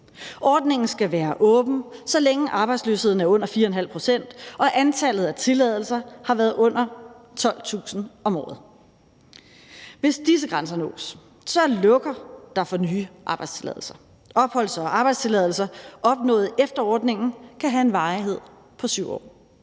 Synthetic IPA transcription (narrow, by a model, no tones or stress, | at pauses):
ʔɒːd̥ne̝ŋn̩sɡ̥æʋæːɐʔɔ̽ːb̥n̩sɒ̽leŋəʔɑ̈b̥ɑɪdslø̰ːshe̝ðˠn̩æɐɔ̽n̰ɐfiːɐɒenɦæl̰pʰʁo̝sen̰d̥ʔɒ̽ʔænt͡sʰælð̞̩ˠæt͡sʰe̝lɛːðˠl̩sɐhɑ̈ʋæːɐðˠɔ̽n̰ɐ | t͡sʰɒ̽l̰t͡sʰṵːsn̩ɒ̽mɒ̰ːð̞̩ˠ | ʋe̝sd̥is̬əɡ̥ʁɑns̬ɐnɔ̰̽ːs | sɒ̽lɔ̽ɡ̥ɐd̥ɑ̈fɒ̽nyːʔɑ̈ːb̥ɑ̈ɪdst͡sʰe̝lɛ̰ðˠl̩sɐ | ʔɒ̽b̥hɒ̽l̰sɐɒʔɑ̈b̥ɑ̈ɪd̥st͡sʰe̝lɛðˠl̩sɐʔɒ̽b̥̚nɔ̰̽ːð̩ˠefd̥ɐɒ̰ːd̥ne̝ŋn̩kʰæɦæe̝nʋɑ̈ːiɦe̝ð̞̰ˠ | pʰɒ̽syʊ̰ɒ̰ː